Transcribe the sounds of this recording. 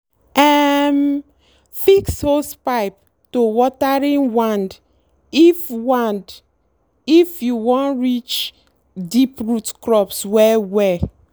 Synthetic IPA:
ɛm | fikshospaɪp̚ | towɔtaɹĩnwãnd | ifwãnd | ifjuwɔ̃nɹit͡ʃ | dipɹutkɹɔpswɛwɛ

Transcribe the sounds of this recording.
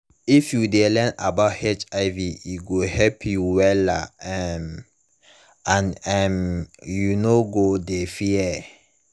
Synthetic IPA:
ifjudelɛ̃nabaʊthet͡ʃaɪviiɡohɛlpʰjuwɛlaɛm | ãnɛmjunoɡodefiɛ

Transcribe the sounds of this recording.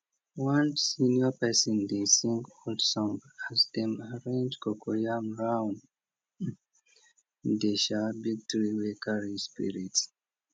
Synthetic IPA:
wãnsinapɛsɔ̃nd̪esĩŋkɔldsɔ̃mbazd̪ɛ̃maɹẽnd͡ʒkɔkʰojamɹãw̃n | d̪eʃabiɡ̚tɹiwekaɹispḭɹits

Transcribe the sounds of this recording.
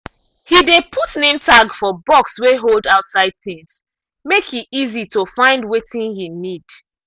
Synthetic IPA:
hidepʰutnẽmtʰaɡfɔbɔksweɦolˠdaʊtsaɪd̚θɪ̃ŋs | mekhiizitofãɪ̃ndwetĩnhinid̥

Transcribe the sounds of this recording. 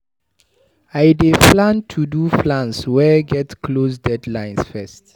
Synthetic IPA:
ajdeflãntʰuduflãnswɛɡɛtkʰlosdɛdlãj̃nsfɛst

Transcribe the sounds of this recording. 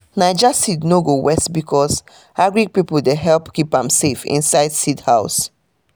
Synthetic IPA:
naɪd͡ʒassidnoɡowɛstbikʰɔs | aɡɹiɡ̚pipəl̩deɦɛlpkipãmsefḭ̃nsaɪdsidhaʊs

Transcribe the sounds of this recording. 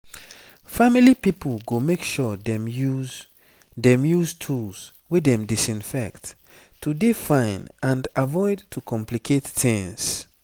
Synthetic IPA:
familipipəlɡomekʃɔdɛ̃mjuz | dɛ̃mjuztʰuls | wedɛ̃mdisĩnfɛkt | tːudifãɪ̃nãndavɔɪdtʰukʰɔ̃mplikʰetːĩŋs

